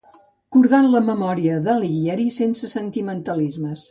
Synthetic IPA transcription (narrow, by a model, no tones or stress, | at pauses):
kuɾðanləməmɔɾiəðəliɣiɛɾisensəsənt̪imənt̪əlizməs